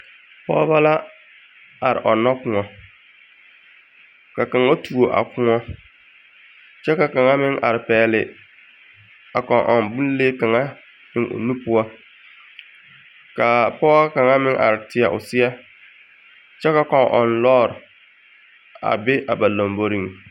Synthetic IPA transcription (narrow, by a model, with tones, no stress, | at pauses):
pɔ̰ː˦ba˦la˦ | a˨ɾɪ̰˨ʔɔ˨nːɔ˦kʊ˨ŋɔ˨ | ka˨ka˨ŋa˦tu˨o˨ʔa̰˨kʊ˦ŋɔ˦ | t͡ʃɛ˦ka˨ka˨ŋa˦mɪ˦ŋʔa̰˨ɾɪ˨pɛː˨lɪ˨ | a˨kɔ˨ʔɔ˨mbu˦n˦leː˦ka˨ŋa˦ | nɪ˦ŋʔo̰˨nu˦pʊ˦ɔ˦ | ka˨pɔː˦a˦ka˨ŋa˦mɪ˦ŋʔa̰˨ɾɪ˨tɪ˨a˨ʔʊ̰˨sɪ˦ɛ˦ | t͡ʃɛ˦ka˨kɔ˨ŋʔɔ˨nlɔː˦˨ɾɪ˨ | a̰˨bɪ˦ʔa˨ba˨la˨mbo˦ɾi˦˨ŋ